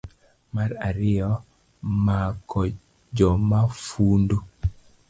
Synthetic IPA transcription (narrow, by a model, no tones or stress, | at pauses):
maɾaɾɪjɔ | makʰɔ | d͡ʒɔmafundu